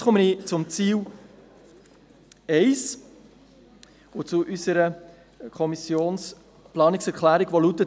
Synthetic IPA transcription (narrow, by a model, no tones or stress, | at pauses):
χʊmənit͡sʊmt͡siːl | ɛɪs | ʊt͡sʊʔysəɾə | kʰɔmisjoːns | plɑːnɪksɛɾklæːɾiɡ̥ʋɔlut̪ːə